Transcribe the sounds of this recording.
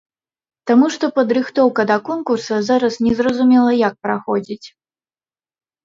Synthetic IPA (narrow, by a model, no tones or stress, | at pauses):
t̪amuʂt̪ɔpɐd̪ɾɨxt̪ɔwkɐd̪ɐkɔnkursɐzaɾɐsnʲɛzrɐzumʲɛlˠɐjak̚pɾaxɔd͡zʲit͡sʲ